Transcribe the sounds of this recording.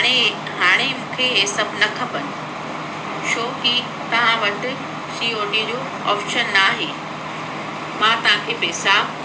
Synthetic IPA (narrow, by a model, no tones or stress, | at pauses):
ɽ̃e | ɦaːɽ̃emũːkʰeesɐbʱnɐkʰɐpɐnɪ̆ | ʃoːki | t̪ɐʋ̤ãʋɐʈɪ | siːoːɖid͡ʑoː | ɔ̰ːfʃənːaːɦeː | mãːt̪ɐʋ̤ãkʰeːbeɪsaːb